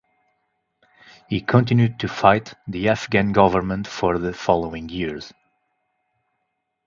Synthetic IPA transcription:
hikʰɔ̃ntɪ̃njʉd̚tʰufaɪt̪ðiæfɡæ̃nɡʌvə˞mə̃ntfɔɹðɨfɑlˠoɪ̃ŋjiɹz̥

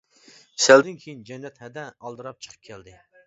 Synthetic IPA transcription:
sæld̪ɪnkʲʰejind͡ʒɛnːɛt̪hɛd̪ɛɑlˠd̪ɨɾɑp̚t͡ʃʰə̥qʰəp̚kʲʰɛld̪ɪ

